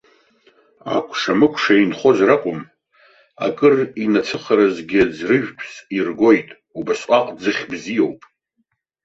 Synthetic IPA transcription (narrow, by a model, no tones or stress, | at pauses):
a̰kʷʰʂamɨkʷʰʂainχo̞zraqʼʊm | a̰kʼɨrinat͡sʰɨχaɾazɡʲɪd͡zrɨʒᶣpʰsirɡʷo̞jtʼ | ubasʷʼaqʼd͡zɨχʲbzijo̞wpʼ